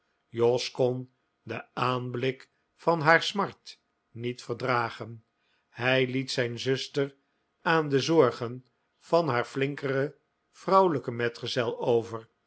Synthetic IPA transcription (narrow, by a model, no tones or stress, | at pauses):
jɔskɔn | d̪əaːnblɪk | fɑnɦaːɹsmɑɹt | nitfəɹdraːχən | hɛjlitsɛjnzɵstər | aːndəzɔɹχən | v̥ɑnɦaːɹflɪŋkərə | v̥rɑwləkəmɛtχəzɛlˠowvər